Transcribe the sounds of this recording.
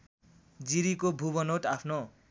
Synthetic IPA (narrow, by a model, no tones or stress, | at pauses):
d͡ziɾikobʱuβʌnoʈapʰno